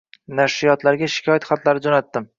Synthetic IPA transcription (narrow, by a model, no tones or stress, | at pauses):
naʃɾɪjɒt̪laɾɡʲaʃɪ̥kʲʰɒjat̪χat̪laɾɪd͡ʒɒnat̪ːɪm